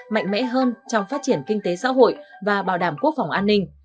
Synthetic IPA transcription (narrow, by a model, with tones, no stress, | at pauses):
ma̰˧˨jŋ̟mɛ̰˧˥ɦəː˧nt͡ɕɔ˧wŋ͡mfaː˦˥t̚t͡ɕi˧˩ənkï˧ŋt̪e˨˦sa̰ː˧˥ɦo̰˧˨jvaː˨˩ɓaː˨˩wɗaː˧˩mku˦˥ək̚fa˨˩wŋ͡mʔaː˧nːï˧ŋ̟